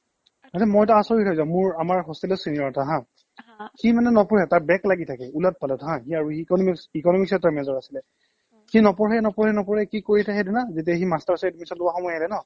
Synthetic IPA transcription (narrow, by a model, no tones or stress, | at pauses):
natɛmɔjɛt̬aasɔɹitʰɔjzãʊ̃mʊɹamaɹɦɔstilɔsiniɔtaɦã | ximanɛnɔpɔɹɛtaɹbɛklaɡitʰakɛulat̚palɛtaɦãxiaɹuikɔnɔmikikɔnɔmiksɛtːɔɹmɛzɔɹasilɛ | xinɔpɔɹɦɛnɔpɔɹhɛnɔpɔɹɛkikoɹitʰɛxedunazet̬iɛximastaɹsɛetumisɔtlʊaxɔmɔjaɛlɛnɔ